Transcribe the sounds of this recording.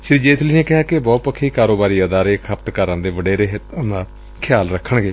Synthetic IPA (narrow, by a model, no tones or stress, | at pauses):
ʃɪɾiːd͡ʒeːt̪ʰliːneːkɪɦaːkebɔːt̪pəkʰːiːkaːɾoːbaːɾiːəd̪aːɾeːkʰəpt̪kəɾə̃nd̪eːʋəɖeːɾeːɦt̪ːnd̪aː | kʰɪjaːlɾəkʰːəɳɡeː